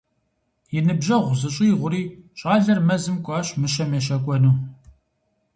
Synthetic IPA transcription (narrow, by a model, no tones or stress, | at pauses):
jɪnɨbʑɐʁʷʊzɨɕʼiːʁʷʊɾiːɕʼaːɮɐrmɐzɨmkʷʼɑːɕʼmɨɕɐmeʃɐkʷʼɔnuː